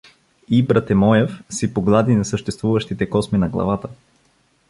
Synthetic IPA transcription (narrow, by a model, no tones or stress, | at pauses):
ibɾɐt̪ɛmɔjɛfsipoɡlˠad̪inɐsəʃt̪ɛst̪vuvəʃt̪it̪ɛkɔsminɐɡlˠɐ̰vat̪ə